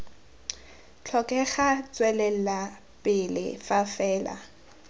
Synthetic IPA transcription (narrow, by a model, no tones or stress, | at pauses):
t͡ɬʰɔkʼɛχat͡swɛlɛl̩la | pʼɪlɪ̰fafɛːla̰